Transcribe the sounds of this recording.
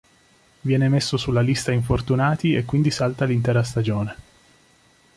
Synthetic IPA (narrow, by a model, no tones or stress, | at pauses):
vjɛːnemesːosulːalist̪aiɱfort̪unaːt̪iekːwind̪isalt̪alint̪ɛːɾast̪ad͡ʒoːne